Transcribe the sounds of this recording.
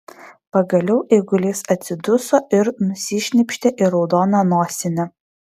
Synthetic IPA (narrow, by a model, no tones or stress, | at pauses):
pɐɡɐlʲɛʊʔɛɪɡʊlʲeːsɐt̪ʲsʲɪd̪ʊsoːʔɪɾnʊsʲiːʃʲnʲɪpʲʃʲt̪ʲɛʔɪɾɒʊd̪oːnɐnoːsʲɪnʲɛ